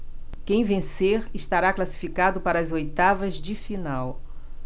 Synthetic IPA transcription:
kẽj̃vẽseɾɪʃt̪aɾaklasi̥fikad̪ʊpaɾɐːzojt̪avɐzd͡ʒɪfinaw

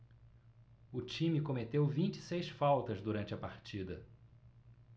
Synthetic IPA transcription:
ʊt͡ʃĩmɪkomet̪ewvĩnt͡ʃɪ̥sejsfawt̪ɐzd̪uɾɐ̃nt͡ʃɪɐpaɾt͡ʃid̪ɐ

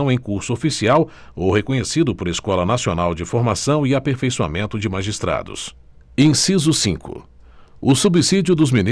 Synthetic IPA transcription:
w̃ẽj̃kuɾsʊofisiaw | owɦekõɲesid̪ʊpoɾeskɔlɐnasionawd͡ʒɪfoɾmasɐ̃w̃iapeɾfejsua̰mẽnt̪ʊd͡ʒɪmaʒist̪ɾa̰d̪ʊ̰s | ẽj̃sizʊsĩŋkʊ̰ | ʊsubisid͡ʒʊd̪ʊzmini

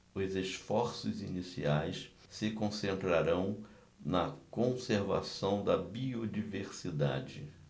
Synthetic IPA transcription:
ʊzeʃfɔɾsʊzinisḭajs | sɪkõsẽnt̪ɾaɾɐ̃w̃ | nɐkõseɾvasɐ̃w̃d̪ɐbiod͡ʒiveɾsid̪a̰d͡ʒɪ

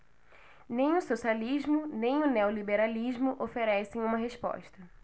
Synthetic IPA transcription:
nẽj̃ʊsosialiʒmʊnẽj̃ʊneolibeɾalizmʊʔofeɾɛsẽj̃ũmɐɦespɔ̰ʃt̪ɐ

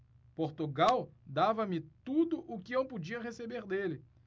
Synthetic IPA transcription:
poɾt̪uɡawd̪avɐmɪt̪ud̪ʊʔʊkɪẽw̃pud͡ʒiɐɦesebeɾd̪elɪ

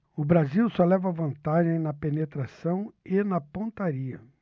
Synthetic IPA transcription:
ʊbɾaziwsɔlɛvɐvɐ̃nt̪aʒẽj̃nɐpenet̪ɾasɐ̃w̃ɪnɐpõnt̪aɾiɐ

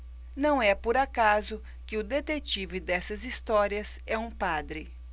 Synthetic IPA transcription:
nɐ̃w̃ɛpoɾakazʊ | kɪʊd̪et̪et͡ʃivɪd̪ɛsɐzist̪ɔɾiɐsɛũpad̪ɾɪ

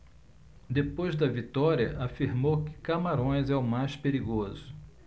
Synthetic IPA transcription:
d̪epojzd̪ɐvit̪ɔɾiɐʔafiɾmowkɪ̥kamaɾõj̃zɛʊmajspeɾiɡozʊ

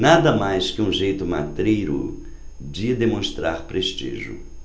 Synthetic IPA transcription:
nad̪ɐmajskɪũʒejt̪ʊma̰t̪ɾejɾʊ̰ | d͡ʒɪd̪emõst̪ɾaɾpɾest͡ʃḭʒʊ̰

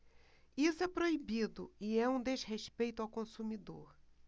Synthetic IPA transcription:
isʊɛpɾoibid̪ʊɪɛũd̪ezheʃpejt̪ʊawkõsumid̪o̰ɾ

